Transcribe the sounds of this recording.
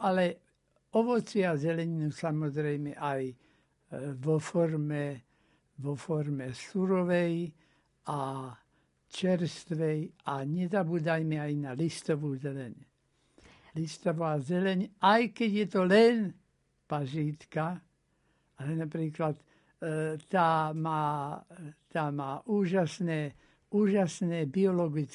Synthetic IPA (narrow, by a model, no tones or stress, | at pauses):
ʔalɛ | ɔʋɔt͡sɪazɛlɛɲinusamɔzɾɛjmɛʔaj | ʋɔfɔɾmɛ | ʋɔfɔɾmɛsuɾɔʋɛj | a | t͡ʃɛɾst̪ʋɛjaɲɛzabuːd̪ajmɛajnalist̪ɔʋuːzɛlɛɲ | list̪ɔʋaːzɛlɛɲajkɛɟjɛt̪ɔlɛn | paʒiːt̪ka | alɛnapɾiːklat̪ | t̪ːaːmaː | t̪aːmaːʔuːʒasnɛː | uːʒasnɛːbiɔlɔɡit͡s